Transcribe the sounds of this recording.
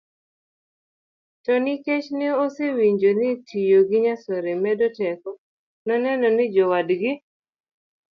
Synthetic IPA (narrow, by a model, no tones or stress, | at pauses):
tɔnɪket͡ʃnɪosewiɲd͡ʒonɪtʰijoɡɪɲasɔɾemɛdɔtɛkɔ | nɔnɛnɔnɪd͡ʒɔwadɡɪ